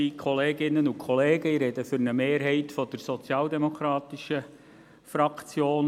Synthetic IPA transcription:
ikʰɔleːɡɪnːənʊkʰχɔleːɡəiɾɛd̥əfʏɾnəmeːɾɦɛɪtfɔd̥əɾsɔt͡sjɑːldɛmokɾɑːt̪iʃə | fɾɑkt͡sjoːn

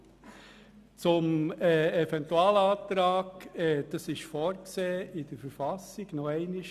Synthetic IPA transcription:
t͡sʊmːɛvɛnt̪uɑːlɑːt̪ɾɑːɡɛd̪̥ɑsɪʃfɔːɾkseːɪd̪̥əɾfəɾfɑsɪɡ̥nɔɛɪnɪʃ

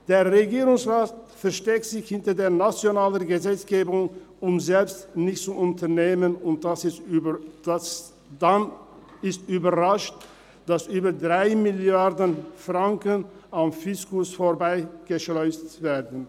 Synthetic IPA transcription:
d̥eːɐʁeɡiːʁʊŋsʁaːtfɛɐʃtɛk̚tz̥ɪçhɪntɐdeːɐnat͡sjonaːlənɡəzɛt͡sɡ̥eːbʊŋ | ʊmzɛlpstnɪçtt͡suʔʊntʰɐneːmənʊnt̚d̥asɪs | as | dan | ɪstyːbɐʁaʃt | d̥asʔyːbɐdʁaɪmɪljaɐdənfʁaŋkənamfɪskʊsfoːɐbaɪɡ̥əʃlɔʏstveːɐdn̩

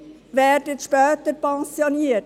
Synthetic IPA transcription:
ʋæːɾdətʃpœːtəɾpɛnsjoniə

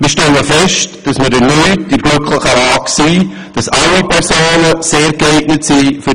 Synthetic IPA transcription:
mɪʃtɛləfɛʃtd̥ɑsmədənyɪdiɾɡ̥lʏkʰləχəaːksiː | d̥ɑsɑlipʰɛɾsoːnəseːɾɡ̥əeɪɡnətsiːfy

